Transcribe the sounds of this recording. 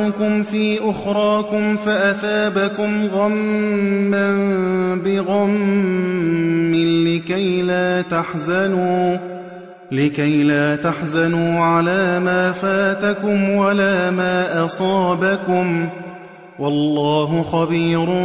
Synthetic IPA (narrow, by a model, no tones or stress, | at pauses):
ʊkʊmfiːʔʊxɾˤɑːkʊmfaʔaθaːbakʊmɣamː | anbɪɣam | ɪnlɪkajlaːt̪aħzanuː | lɪkajlaːt̪aħzanuːʕalaːmaːfaːt̪akʊmwalaːmaːʔɑsˤɑːbakʊm | wɑlːɑːɦʊxɑbiːɾʊ